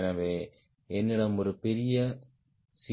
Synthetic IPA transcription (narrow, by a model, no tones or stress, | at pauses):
nɐʋeː | ɛnːɪɽɐmɔɾɯpɛɾɪjɐ | sɪ